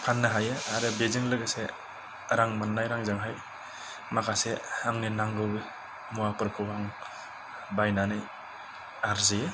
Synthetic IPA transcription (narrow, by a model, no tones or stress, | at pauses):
pʰanːaɦajɯaɾɯbezɯŋlɯɡɯse | ɾaŋmanːajɾaŋzɯŋɦaj | makʰaseaŋninaŋɡɯw | muapɯɾkʰɯwaŋ | bajnanij | aɾzije